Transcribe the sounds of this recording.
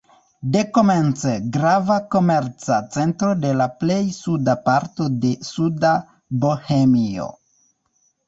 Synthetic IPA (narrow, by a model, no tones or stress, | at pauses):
de̞ko̞me̞nt͡seɡɾavako̞me̞ɾt͡sat͡se̞ntɾo̞de̞laple̞jsudapaɾto̞de̞suda | bo̞hemio̞̰